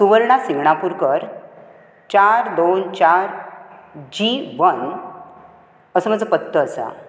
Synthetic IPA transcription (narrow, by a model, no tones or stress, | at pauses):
suʋəɾɳasiɡɳapuɾkəɾ | t͡ɕaɾd̪ont͡ɕaɾ | d͡ʑiʋən | əsəmad͡zəpət̪ːəːsa̰